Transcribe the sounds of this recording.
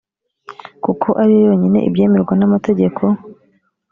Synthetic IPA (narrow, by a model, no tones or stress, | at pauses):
kukʰo̞ʔaɾijojo̞ɲine̞̰ʔḭbje̞ːmeɾɡwanamate̞ɟe̞kʰo̞